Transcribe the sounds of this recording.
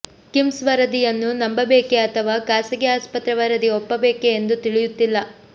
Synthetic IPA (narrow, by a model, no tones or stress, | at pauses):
kimsʋɐɾɐd̪ijɐnːunɐmbɐbeːke̞ɐt̪ʰɐʋaːkaːsɐɡɛaːspɐt̪ɾɐʋɐɾɐd̪iopːɐbeːkeːnd̪ut̪iɭijut̪ːilːɐ